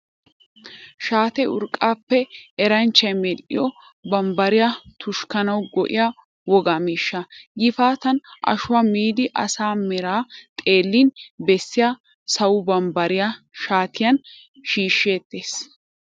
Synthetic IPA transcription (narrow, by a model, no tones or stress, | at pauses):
ʃaːt̪ɛʊ̰ɾkʼːaːpːɛːɾɐnt͡ʃːɐjmɛlɪ̰jɔ | bɐmbɐɾɪjɐt̪ʰʊʃkɐnɐwɡɔʔɪ̰ja | wɔɡamiːʃːɐɡɪfaːt̪ɐnʔɐ̰ʃʊwamiːd̪ɪʔɐ̰saːmɛɾaːt̪ʼe̞ːlːiːnbɛsːɪja | sɐwʊbɐmbɐɾɪja | ʃaːt̪ʰɪjɐn | ʃiːʃːe̞ːt̪ːeːs